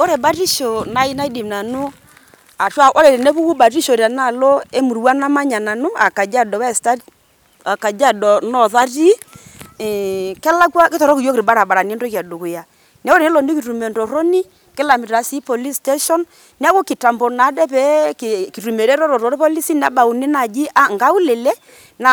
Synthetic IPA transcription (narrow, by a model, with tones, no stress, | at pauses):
o˦ɾe˨ba˦ri˦ʃo˨na˨˦i˦na˦i˦di˨m˨na˨nu˦ | a˨ʃa˦˨ʔo˦ɾe˨ɾe˨ne˦βu˦ku˦ba˨ɾi˦ʃo˨ɾa˨na˦˨lo˦e˦mu˨ɾu˨˦wa˦na˦ma˦ɲa˨na˨nu˦a˨ka˨d͡ʒa˦dɔ˨wɛ˦˨sta˦ | a˨ka˨d͡ʒa˦˨dɔ˨nɔ˦ða˦ri˦˨ | kɛ˦la˦kwa˦kɪ˦tɔ˨ɾɔ˦ki˨jo˦kɾi˨ba˦ɾa˨ɓa˨ɾa˨ni˦ɛ˦ndɔ˦ka˨do˨ko˨ja˨ | nɛ˦o˦ɾe˦lɔ˨ndi˦ki˨ɾu˨me˨ndɔ˨ɾo˦ni˦ | kɪ˦la˨mi˨ɾa˨si˦pɔ˨li˦ste˦ʃɔ˦n | ni˦a˦ko˦ki˨ta˨mbɔ˨na˨˦dɛ˦pɛ˨˦kki˨ɾu˨me˨ɾɛ˦ɾɔ˦ɾɔ˨ɾɔ˨ɾpɔ˦li˦si˦n˦a˦ba˨u˨ne˦na˨d͡ʒi˦ʔa˦ŋɡa˦u˦le˨lɛ˦ | na˨